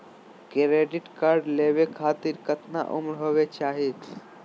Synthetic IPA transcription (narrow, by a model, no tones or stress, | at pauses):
kɾeɖiʈkaːɾɖlebekʰaːt̪iɾkət̪na̰ʔumɾɦoːbet͡ʃaːɦit̪ʰ